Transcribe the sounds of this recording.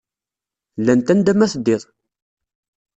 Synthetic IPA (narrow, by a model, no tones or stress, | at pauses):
lːænt̪ænd̪æmæθəd̪ːɪðˤ